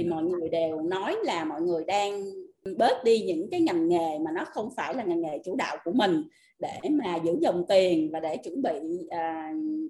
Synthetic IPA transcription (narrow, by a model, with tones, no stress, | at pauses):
t̪ʰi˨˩mɔ̰˧˨jŋɨ˨˩əjɗe˨˩wnɔ˨˦jlaː˨˩mɔ̰˧˨jŋɨ˨˩əjɗaː˧ŋɓə˦˥t̚ɗi˧ɲɨ̰˧˥ŋkaː˨˦jŋa˨˩ŋŋe˨˩maː˨˩nɔ˨˦xə˧wŋ͡mfaː˧˩jlaː˨˩ŋa˨˩ŋŋe˨˩t͡ɕu˧˩ɗa̰ː˧˨wku˧˩əmï˨˩ŋ̟ | ɗe˧˩maː˨˩zɨ̰˧˥zɔ̰˧˨˩wŋ͡mt̪i˨˩ənvaː˨˩ɗe˧˩t͡ɕwə˧˩nɓḭ˧˨ʔəː˨˩